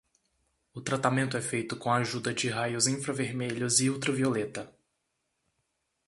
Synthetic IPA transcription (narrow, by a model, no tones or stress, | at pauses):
ʊt̪ɾat̪amẽnt̪ʊɛfejt̪ʊkõaʒud̪ɐd͡ʒɪɦajʊzĩfɾɐveɾmeʎʊzɪuwt̪ɾɐviolet̪ɐ